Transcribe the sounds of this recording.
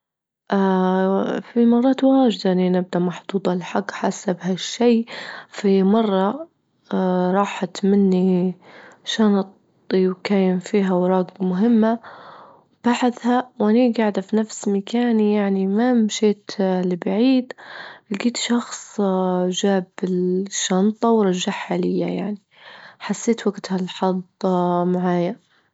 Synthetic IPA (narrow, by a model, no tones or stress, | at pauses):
ʔa | fimɑrˤːɑːt̪waːʒɪd̪aʔɪninɪb̚d̪aʔmɑħd̪̥ˤuːd̪ˤɑlħaɡħasabɦaʃːejfimɑrˤːɑ | ɾˤɑːħat̪mɪnːi | ʃaːnt̪ | kaːjːɪmfiːɦawɾˤɑːɡmʊɦɪmːa | wb̥aħɪθhawʔaniɡaʕd̪afinafsmakaːnijaʕnimamʃeːt̪lɪbaʕiːd̪ʔɪlɡiːt̪ʃɑxsˤʒaːbɪlʃːɑnt̪ˤɑwɾˤɑʒːaħħalɪjːa̰ja̰ʕni | ħasːeːt̪waɡt̪halħɑd̪ˤmaʕaːja